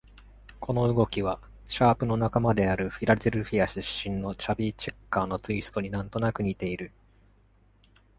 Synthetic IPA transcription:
kʰo̞no̞ɯ̟ɡo̞kʲiβa | ɕaːpɯ̟no̞nakamad̪e̞aɾɯ̟ɸʲiɾad̪e̞ɾɯ̟ɸʲiaɕɨɕːĩnːo̞t͡ɕabʲiːt͡ɕe̞kːaːno̞t͡sɨisɨ̥t̪o̞ɲ̟inãnt̪o̞nakɯ̟ɲ̟it̪e̞iɾɯ̟

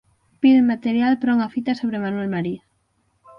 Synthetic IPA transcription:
piðmat̪eɾjalpɾoŋafit̪asoβɾemanwelmaɾia

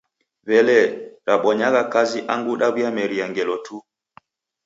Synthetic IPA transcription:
βɛlɛɾaɓɔɲaɣakaziʔaŋɡuɗaβjamɛɾiaŋɡɛlɔtʰu

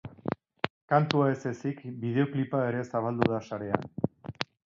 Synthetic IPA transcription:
kant̪uae̞se̞sikbiðe̞o̞klipaeɾe̞saβald̪uðasaɾe̞a̰n

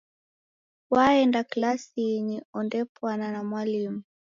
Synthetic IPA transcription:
waɛndaklasiːɲiɔndɛpwananamwalimu

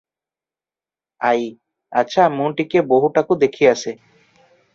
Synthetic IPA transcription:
aj | at͡ʃʰamũʈikeboɦuʈakud̪ekʰijase

